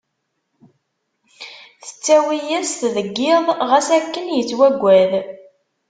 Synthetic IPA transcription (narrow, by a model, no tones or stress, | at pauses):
θə̥t͡sːæwijæst̪ðəɡːɪðˤʁæsækːənjət͡sːwæɡʷːæð